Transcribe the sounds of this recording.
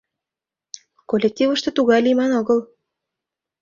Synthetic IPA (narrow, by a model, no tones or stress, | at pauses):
kolʲek̚t̪ʲivə̆ʃt̪ɤ̆t̪uɣɑjlimɑnɤɣɤ̆l